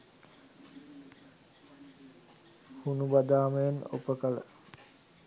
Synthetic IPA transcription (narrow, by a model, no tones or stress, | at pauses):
hunubad̪aːməjeno̰pəkələ̰